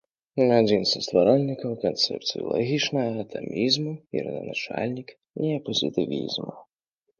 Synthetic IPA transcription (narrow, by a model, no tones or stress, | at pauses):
nad͡zʲinsɐst̪vaɾɔlʲnʲikɐwkɔnt̪sɛ̰pt̪sɨjɔ̰lˠɔ̰ɦʲit͡ʃnɐɦɐːt̪ʰɛmʲizmuḭɾɨnɐnat͡ʃa̰lʲnʲik | iɐpɔzʲɨt̪ɨvʲḭzmu